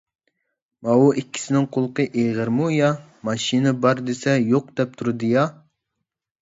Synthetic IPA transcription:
mɑwuʔikʲʰːi̥sɪnɪŋqʰolˠqəʔeʁəɾmujɑ | mɑʃinɨbɑɾd̪esɛjoq̚d̪̥ɛp̚t̪ʰuɾɨd̪ɨjɑ

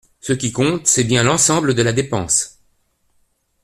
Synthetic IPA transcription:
səkʲikɔ̃t̪sɛbjɛ̃lɑ̃sɑ̃bləd̪əlad̪epɑ̰̃s

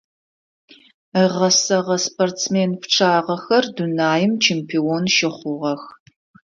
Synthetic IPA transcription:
əʁɐsɐʁɐspʰoːrtsmeːnpʈ͡ʂʰaːʁɐxɐrdunaːjɪmt͡ʃʰeːmpʰiːoːnʃɪχʷʊʁɐx

